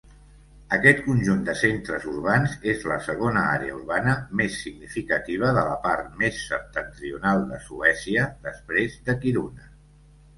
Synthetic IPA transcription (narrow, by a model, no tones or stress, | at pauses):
əkɛt̪kunʲʒund̪əsent̪ɾəzuɾβ̞anzezləsəɣ̞onəa̰ɾeə̰uɾβanəmesːiɡnifikət̪iβ̞əðələpaɾt̪mesːəp̚t̪ənt̪ɾiunalˠd̪ə̰suɛsiəðəspɾezðəkiɾunə